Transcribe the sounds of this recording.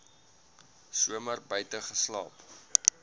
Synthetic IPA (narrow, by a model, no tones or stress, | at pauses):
suəmərbœjtəχəslɑːp